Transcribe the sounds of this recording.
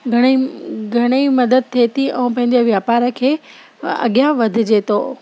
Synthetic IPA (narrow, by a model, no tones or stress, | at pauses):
ɡʱɐɽ̃iɡʱɐɽ̃eimɐd̪əd̪̚t̪ʰet̪iʔɛ̃ũpɐ̃ɦɪ̃n̆d̪oʋjaːpaːɾə̆kʰeː | ɐ̰ɠjaʋɐd̪ʱɪ̆d͡ʑet̪oː